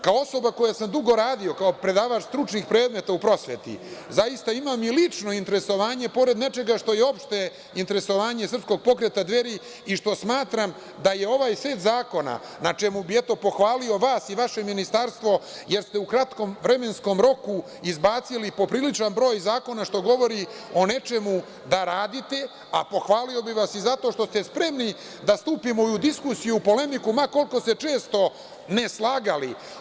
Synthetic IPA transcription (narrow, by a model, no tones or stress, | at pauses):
kaoo̞so̞bako̞jasamd̪uɡo̞ɾaːd̪io̞kao̞pɾe̞d̪aːʋat͡ʃst̪ɾut͡ʃnixpɾe̞ːd̪me̞t̪aupɾo̞sʋḛt̪ḭzajist̪aimamilit͡ʂno̞int̪e̞ɾe̞so̞ʋaːɲe̞po̞ɾe̞d̪net͡ʃe̞ɡaʃt̪o̞je̞o̞pʃt̪e̞ | int̪e̞ɾe̞so̞ʋaːɲesɾr̩psko̞ɡ̚po̞kɾe̞t̪ad̪ʋe̞ɾi | iʃt̪o̞smaːt̪ɾam | d̪aje̞o̞ʋaːjsʋe̞ːt̪zaːko̞na̰ | nat͡ʃe̞mubiet̪o̞po̞xʋaːlio̞ʋaːsiʋaʃe̞minist̪aɾst̪ʋo̞je̞ɾst̪e̞ukɾat̪ko̞mʋɾe̞me̞nsko̞mɾo̞ku | izbaːt̪silipo̞pɾilit͡ʃanbɾo̞ːjzaːko̞naʃt̪o̞ɡo̞ʋo̞ɾi | o̞ne̞t͡ʃe̞mu | d̪aɾaːd̪it̪e̞ | a̰po̞xʋaːlio̞biʋasizat̪o̞ʃt̪o̞st̪espɾe̞mni | d̪ast̪uːpimo̞iud̪iskusijuːpo̞le̞mikumako̞lko̞st̪e̞t͡ʃe̞ːst̪o̞ | ne̞slˠaːɡali